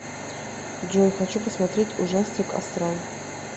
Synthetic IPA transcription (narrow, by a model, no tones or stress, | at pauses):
d͡ʒonʲxɐt͡ɕupəsmɐt̪ɾʲetʲuʐasʲt̪ʲɪkɐ̰st̪ɾan